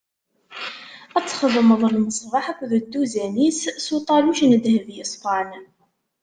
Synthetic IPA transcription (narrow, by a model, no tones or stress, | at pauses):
æt͡sːχəðˤməðˤlməsˤvɑħakʷːðəd̪ːuzænissut̪ˤɑluʃnəðhəvjəsˤfɑn